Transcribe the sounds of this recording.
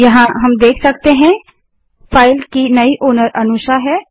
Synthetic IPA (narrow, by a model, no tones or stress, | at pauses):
jɐɦãɦɐmd̪eːkʰsɐk̚t̪eɦɛ̃ | fʰaːɪlkinɐiʔoːnəɾɐnʊʃaɦɛː